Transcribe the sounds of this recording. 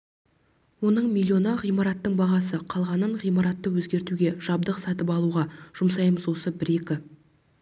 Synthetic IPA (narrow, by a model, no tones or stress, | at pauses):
wo̞nəɴmʲilʲːio̞nɑʁijmɑɾɑt̪ːəɴbɑʁɑsəqʰɑlˠʁɑnəɴʁijmɑɾɑt̪ːəwɵzɡʲe̞ɾt̪uɡʲe̞ʒ̥ɑb̚d̪əqsɑt̪əpɑlˠuʁɑʒ̥ʊmsɑjməzwo̞səbɪɾe̞kʲɪ